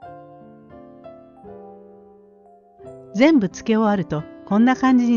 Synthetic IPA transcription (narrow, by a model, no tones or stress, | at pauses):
d͡zẽ̞mbɯ̟t͡sɨ̥ke̞oaɾɯ̟t̪o̞kõ̞nːakãɲd͡ʑiɲi